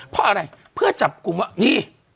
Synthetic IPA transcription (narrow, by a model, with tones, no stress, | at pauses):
pʰɔ˦ʔa˧ɾa˧jpʰɯ˥˩ɐt͡ɕa˨˩p̚ku˧ma˧˩niː˧˥˩